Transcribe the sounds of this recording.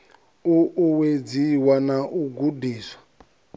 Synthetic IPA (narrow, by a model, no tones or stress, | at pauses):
uʔːwed͡ziwanaʔuɡudiːswḁ